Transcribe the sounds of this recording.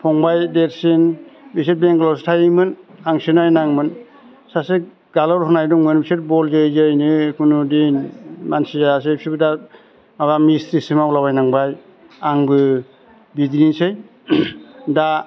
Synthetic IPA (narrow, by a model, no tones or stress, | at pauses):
pʰɔŋbajdeɾsinbiset̚beŋklɔstʰajɯmɯnaŋsɯnajnaŋmɯn | sase | ɡalɔɾhɯnajduŋmɯnbiset̚bɔlzezejnɯkʰunudenmansizasepʰibɯda | mabamisɾisimawlabajnaŋbaj | aŋbɯ | bidɾinsej | da